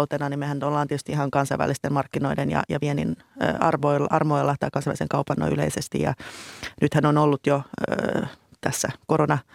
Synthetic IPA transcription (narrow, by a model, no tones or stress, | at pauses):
lt̪enɑnimehænyt̪olːɑːnetyst̪iihɑŋkɑnsɑiʋæ̰lːˑist̪emmɑrkːino̞idenjɑ̰jɑʋienin | ɑ̰rʋoilɑrmoilːɑt̪ɑːkɑnsɑʋæ̰liseŋkɑupɑnːo̰y̰lḛisest̪ḭjɑ̰nyt̪hænonolːut̪jo | t̪æsːækoɾonɑ